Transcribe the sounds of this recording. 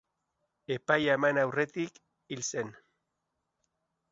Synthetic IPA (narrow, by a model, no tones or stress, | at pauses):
e̞pajamanawre̞t̪ik | ilse̞n